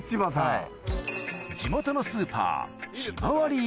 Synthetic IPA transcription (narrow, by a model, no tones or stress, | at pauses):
t͡ɕibasa | d͡ʑimo̞t̪o̞nosɨːpa̰ːɕinaβaɾʲi